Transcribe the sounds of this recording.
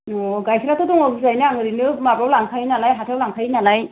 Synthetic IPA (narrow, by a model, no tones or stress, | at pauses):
ɔɡajsʰɾatɔtɔŋɔbɯzajnaaŋɯɾinɯmabɾawlaŋtʰajnalajɦatʰawlaŋkʰajnalaj